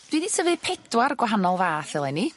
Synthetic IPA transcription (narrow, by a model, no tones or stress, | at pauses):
d̥winisʰəvɨðpʰedwaɾɡwaɦanɔlˠvaːθɛlˠɛni